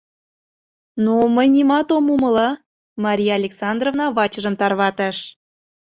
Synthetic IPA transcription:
noməjnimɑt̪omuməlɑ | mɑɾʲijɑɑlʲeksɑnd̪rovnɑβɑt͡ɕəʒə̆mt̪ɑrβɑt̪ɑʃ

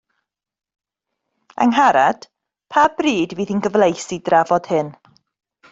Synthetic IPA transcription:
a̰ŋɦaɾad̥ | pʰab̥riːdviːðinɡəvlˠejsidravɔd̥hɨn

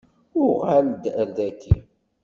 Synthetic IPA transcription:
ʊɾʁald̪əɾðækḭ

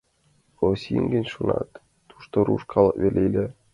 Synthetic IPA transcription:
osʲḭŋɡʲɘ̆nʲʃunɑ̰t̪ː | u̥ʃt̪oɾṵʂkʰɑlˠɤβʲelʲejlʲe

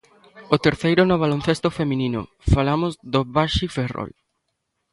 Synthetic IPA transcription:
ʊt̪eɾθejɾʊnoβalon̟θest̪ofemĩnino̰ | falamʊzðoβaʃifero̰l

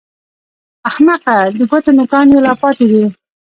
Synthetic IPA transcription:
axnaqad̪əɡot̪enʊkɑːnjelɑpɑt̪id̪i

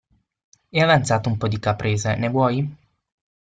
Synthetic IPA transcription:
ɛavant̪saːt̪oumpɔd̪ikapɾʔeːzenevwɔj

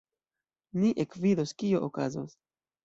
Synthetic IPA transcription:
niʔekvidoskioʔokazo̰s

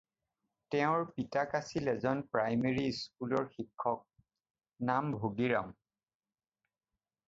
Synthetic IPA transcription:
tɛʊ̃ɹpitakasilɛzɔnpɹajmeɹiskulɔɹxikʰːɔk̚ | nambʱoɡiɹa̰m

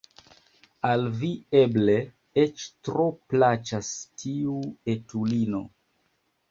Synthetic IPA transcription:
alvieble̞ | et͡ʃtɾo̞plat͡ʃastʰiue̞tulino̞̰

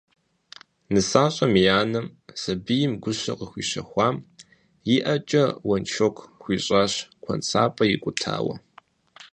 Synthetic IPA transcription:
nɨsaːɕʼɐmijaːnɐmz̥ɐbɨjɪmɡʷʊɕɐ̰qəxʷiːɕɐ̰xʷɑːm | jiʔɐt͡ʃʼɐwɐnt͡ʃʰokʷʰxʷiːɕʼaːɕkʷʰɐ̰nt͡sʰa̰ːpʼɐjɪkʷʼʊtʰa̰ːwɐ̰

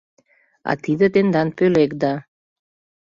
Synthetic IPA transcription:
ɑ̰t̪id̪ət̪end̪ɑnpølek̚d̪ɑ

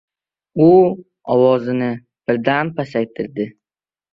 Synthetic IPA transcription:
ʊ | ɒwɒzɪnɪ | b̥ɪɾd̪anpʰasajt̪ʰɪɾd̪ɪ

